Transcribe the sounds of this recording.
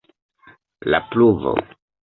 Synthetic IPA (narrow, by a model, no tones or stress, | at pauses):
lapluvo̰